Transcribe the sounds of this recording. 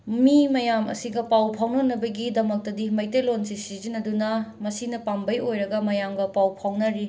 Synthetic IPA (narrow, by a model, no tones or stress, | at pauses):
mimɐjamɐ̰siɡɐpawpʰawnonːɐbɐɡidɐmɐk̚tɐdimɐjtejlonsisizinɐdunɐmɐsinɐpambɐjojɾɐɡɐmɐjamɡɐpawpʰawnɐɾi